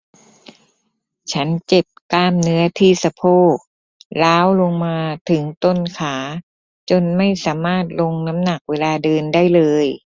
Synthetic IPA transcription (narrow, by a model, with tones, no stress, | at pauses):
t͡ɕʰa˦˥nt͡ɕe˨˩p̚kaː˧˥˩mnɯ˦˥ɐt̪ʰiː˥˩sa˧pʰoː˥˩ | laː˦˥wlo˧ŋmaː˧t̪ʰɯ˩˦ŋt̪o˥˩nkʰaː˩˦ | t͡ɕo˧nma˥˩jsaː˩˦maː˥˩t̪̚lo˧ŋna˦˥mna˨˩k̚weː˧laː˧dɤː˧nda˥˩jlɤː˧j